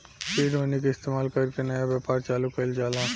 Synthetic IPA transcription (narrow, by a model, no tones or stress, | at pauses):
ʃiːɾɦoːnek̬aɪst̪eːmaːlkɐɾkenɐjaʋjaːpaːɾt͡ʃaːlukɐld͡ʒaːlãː